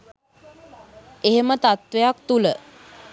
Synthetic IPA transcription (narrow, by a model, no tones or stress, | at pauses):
eɦemət̪at̪ʋejak̚t̪ulə